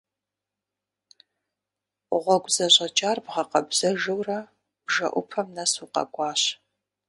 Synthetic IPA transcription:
ʁʷɔɡʷzɐɕʼɐt͡ʃʼaːrbʁɐqɐbzɐʒɨwrɐ | bʒɐ̰ʔʷʊ̰pʰɐmnɐsuqɐ̰ɡʷɑːɕ

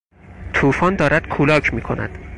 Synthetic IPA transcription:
t̪ʰuːfɒːnd̪ɒːɾæd̪̥kʰuːlɒːcʰmiːkʰo̞nʔæ̰d̪̥

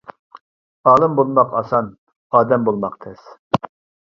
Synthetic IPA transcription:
ɑːlˠɨmbolˠmɑqɑsɑn | ɑːd̪ɛmbolˠmɑqt̪ʰɛs

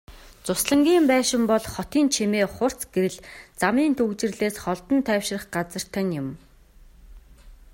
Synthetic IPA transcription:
t͡sʊsɮə̆ŋɡʲiːmpæːʃɪ̆mpɔɮχɔt̪iːnt͡ɕʰemeːχʊr̥t͡sɡ̥eɾɘ̆ɮt͡samiːnt̪ʰɵɣt͡ɕɪ̆rɮeːsχɔɮt̪ɞ̆nt̪ʰœːwʃɪ̆rə̆χɢat͡sə̆r̥t̪ʰœ̆njʊ̆m

